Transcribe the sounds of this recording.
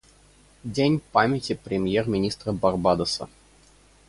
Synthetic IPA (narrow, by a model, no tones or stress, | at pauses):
dʲenʲpamʲɪtʲɪpɾʲɪmʲjermʲɪnʲist̪ɾəbɐrbad̪əsə̰